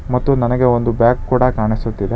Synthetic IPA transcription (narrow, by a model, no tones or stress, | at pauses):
mɐt̪ːunɐnɐɡeo̞nd̪ubjaːkkːuːɽɐkaːɳisut̪ːid̪e